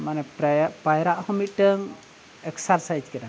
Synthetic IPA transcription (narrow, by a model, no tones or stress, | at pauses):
manɛpajɾaʔhɔmit̪̚ˀʈəŋ | ɛksaɾsajd͡ʒkɛɗa